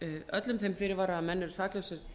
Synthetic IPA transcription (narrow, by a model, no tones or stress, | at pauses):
œt̪lʏmθejmfɪɾɪɾvaɾaːmɛnːʏɾsaːklœsʏɾ̥